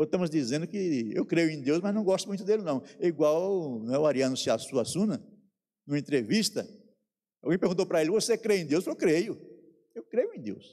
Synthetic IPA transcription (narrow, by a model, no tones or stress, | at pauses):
ot̪ɐ̃mʊzd̪izẽnd̪ʊkɪewkɾejʊẽj̃d̪ewsmɐznɐ̃w̃ɡɔst̪ʊmũj̃t̪ʊd̪elɪnɐ̃w̃ɛiɡwawñɛʊaɾiɐ̃nʊsɪasuɐsũnɐ | nũɐẽnt̪ɾevist̪ɐ | awɡẽj̃peɾɡũt̪owpɾɐelɪvosekɾejẽd̪ewspkewkɾejʊ | ewkɾejʊẽd̪ḛws